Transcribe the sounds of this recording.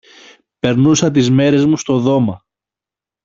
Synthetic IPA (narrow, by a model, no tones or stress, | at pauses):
pe̞ɾnusɐt̪izme̞ɾe̞zmust̪o̞ðo̞mɐ